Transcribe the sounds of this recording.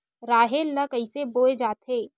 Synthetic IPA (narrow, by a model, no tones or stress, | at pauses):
ɾaːɦelːɐkəɪseboːed͡ʒaːt̪ʰeː